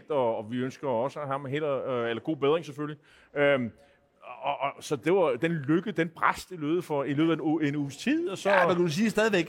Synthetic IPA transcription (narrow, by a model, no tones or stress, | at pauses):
ld̥ɒ̽ːʋiønsɡ̥ɐɒ̽səæɦɑ̈mɦel̰ɐelɐɡ̥o̝̰ːb̥e̝ðˠʁeŋseføli | øm | ʔsɒ̽d̥e̝ʋɑ̈d̥enløɡ̥əð̩ˠd̥enpʰʁasd̥ilø̰ːð̩ˠfɒ̽ily̰ːð̩ˠæuenṵst͡sʰið̰ˠɒ̽sɒænkdus̬iːsd̥ɛːð̞ˠiʋeɡ̥